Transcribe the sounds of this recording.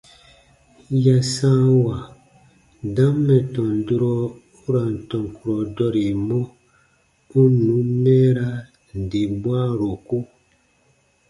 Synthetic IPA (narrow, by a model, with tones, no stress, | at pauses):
ja˨sã˦wa˨ | dã˦mːɛ˨tɔ̃˨ndu˦ɾɔ˦ | u˦ɾa˨n˨tɔ̃˨ŋ˨ku˨ɾɔ˨dɔ˦ɾe˨mɔ˦ | u˦nũ˨˦mɛː˦ɾa˦ | n̩˨de˨bwa˦ɾo˨ko˦